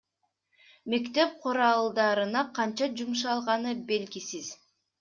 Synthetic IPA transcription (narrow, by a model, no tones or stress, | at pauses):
me̞kt̪e̞p̚qʰuɾɑlˠd̪ɑɾɯnɑqʰɑnt͡ʃɑd͡ʒumʃ̬ɑlˠʁɑnɯbe̞lɡisiz̥